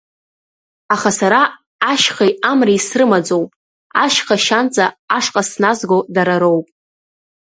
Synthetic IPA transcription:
aχasaɾaː | ʃχajamrijsrɨmad͡zowpʼ | aʃχaʃant͡sʼaːʂqʼasnazɡodaɾaɾowpʼ

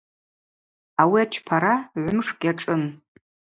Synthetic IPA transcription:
awiat͡ʃʰpʰaɾaʕʷʊmʂkʲʼaʈ͡ʂʼɨn

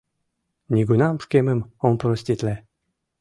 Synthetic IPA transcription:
nʲiɡunamʂkʲemɘmɔmpɾɔsʲtʲit̪lɛ

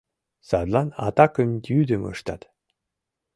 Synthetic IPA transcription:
sɑd̪lˠɑnɑ̰t̪ɑkəmd̪ʲyd̪ɘmə̰ʃt̪ɑ̰t̪

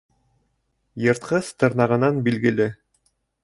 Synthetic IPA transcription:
jɤ̆ɾt̪̚qɤθt̪ɤ̆ɾnɑʁɤ̆nɑnbilɡɘ̆lɘ

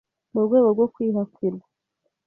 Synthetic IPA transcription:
muɾɡwe̞ːɡo̞ɾɡo̞kwiːɦakila

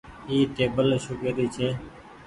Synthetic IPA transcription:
iːʈeːbəlʃʊkeːd̪iːt͡ʃʰeː

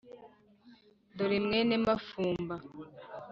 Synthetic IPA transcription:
doɾimŋenemafuːmba

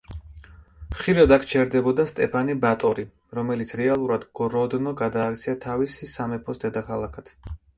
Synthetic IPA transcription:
ʃiɾad̪akʰt͡ʃʰɛɾd̪ɛbɔd̪ast̪ʼɛpʰanibat̪ʼɔɾi | ɾɔmɛlit̪sʰɾɛalˠuɾad̪ɡɔɾɔd̪nɔɡad̪aːk̚t̪sʰiat̪ʰavisisamɛpʰɔsd̪ɛd̪akʰalˠakʰat̪ʰ

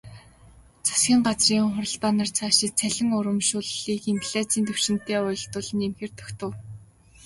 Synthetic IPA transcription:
t͡sʰḁsxʲiːɴɢat͡sriːɴχʊɾə̆ɮp̪aːnart͡sʰaːʃɪk̚t͡sʰæɮʲɪ̆ŋʊɾə̆mʃʊɮiːkempʰɮaːt͡siːnt̪ɵw̥ʃɪ̆n̥t̪eːʊjɞ̆ɬt̪ʊɮə̆nemxeːrt̪ʰœ̥xt̪ə̆w

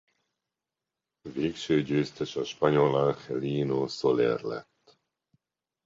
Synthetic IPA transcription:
veːkʃøːɟøːst̪ɛʃɒʃpɒɲolaŋxɛliːnosolɛ̰rlɛ̰t̪ː

